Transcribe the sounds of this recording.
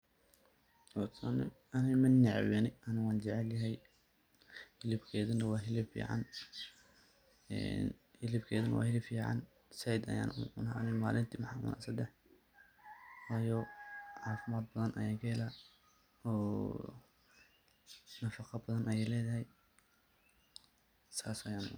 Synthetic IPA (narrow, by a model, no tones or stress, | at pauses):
ɔt̪ʰanɛ̰ | ɐnɛmɐnːɪʕ̰wɛnɪɐnɪwɑːnt͡ʃɛʕɛljɐɦɛj | hɪlɪbkʰɛːðɐnɐwɑːɦɪlɪbfḭːʕɑ̰n | ɛ̰nhɪlɪbkʰɛːðɐnɐ̰wɑ̰ːhɪlɪbfiːʕɑ̰n | sɛjd̪ɐ̰ja̰ːnʊ̰ʊnɐʕnɪmaːlɪnt̪ʰimɑħɑmʊ̰nʔa̰sɐd̪ɛħ | wɑːjɔʕɑːfɪmaːd̪̚bɐðɐnʔɐ̰jaːŋkʰɐɪla | ɔː | nɐfɑqɑbɐðɐnʔɐjɛjlɛːðɐɦɛj | saːsɐjaːnʊ̰